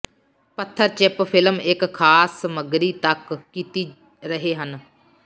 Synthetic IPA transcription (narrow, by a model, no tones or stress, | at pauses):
pət̪ʰːəɾt͡ʃɪppʰɪləmɪkʰːaːsːəməɡɾiːt̪əkːiːt̪iː | ɾəɦeːɦən